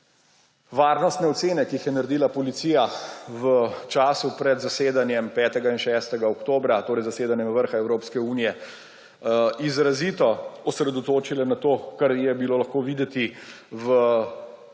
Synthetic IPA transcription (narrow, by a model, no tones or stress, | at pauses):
ʋaːɾnɔst̪nɛɔt̪seːnɛkiixjɛnaɾɛd̪iːlapɔlit̪siːjaʋət͡ʃaːsupɾɛd̪zaseːd̪anjɛmpɛːt̪ɛɡainʃɛːst̪ɛɡaɔkt̪oːbɾat̪oːɾɛjzaseːd̪anjɛmʋəɾxaɛwɾoːpskɛuːnijɛ | izɾazit̪ɔɔsɾɛd̪ɔt̪oːt͡ʃilɛnat̪oːkaɾjɛbiloːlɐxkoːʋiːd̪ɛt̪i | ʋə